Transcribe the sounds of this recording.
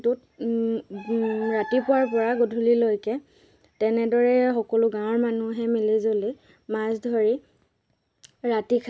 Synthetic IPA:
tʊt̚ | ɹatipʊaɹpɔɹaɡodʱulilojkɛ | tɛnɛdɔɹɛxɔkɔlʊɡãw̃ɔɹmanuɦɛmilizoli | masdʱoɹi | ɹatikʰ

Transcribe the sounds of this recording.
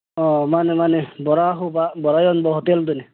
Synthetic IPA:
ɔmanemanebɔɾaɦubabɔɹajɔnbɔɦɔt̪eld̪uni

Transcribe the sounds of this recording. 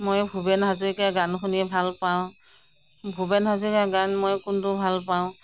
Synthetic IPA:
mojbʱubɛnɦazikaɡankʰunibʱalpaʊ̃ | bʱubɛnɦazikaɡanmojkʊntʊbʱalpaʊ̃

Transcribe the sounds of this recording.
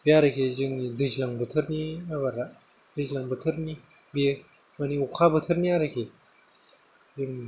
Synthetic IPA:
bjaɾəkʰezɯŋnidɯzlaŋbət̪ʰəɾniabaɾa | dɯzlaŋbət̪ʰəɾni | be | maniukʰabət̪ʰəɾniaɾakʰe | ziŋni

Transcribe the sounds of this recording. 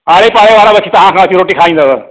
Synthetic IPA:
aɭepaɭeʋaɾabəkʰit̪aɦãkʰãat͡ɕiːɾoʈiːkʰãĩnd͡z̪aɡə

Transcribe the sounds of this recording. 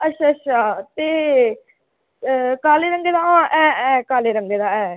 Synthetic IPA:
ətːʃʰaːətːʃʰaːt̪eː | kaːleːɾəŋɡeːd̪ãːʔɛ̃ːɛ̃ːkaːleːɾəŋɡeːd̪ãːɛː

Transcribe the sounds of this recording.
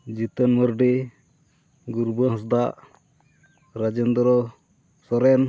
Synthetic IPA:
d͡ʒit̪ənməɾɖɛ | ɡuɾbəɦɔsd̪aʔ | ɾad͡ʒənd̪ɔɾɔ | sɔɾɛn

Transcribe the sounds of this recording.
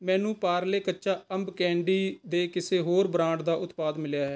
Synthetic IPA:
mɛ̃ːnũːpaːɾleːkətːʃaːəmbkɛ̃ːɳɖiːd̪eːkɪseːɦoːɾbɾãːɳɖd̪aːʔʊt̪paːd̪mɪljaːɦɛː

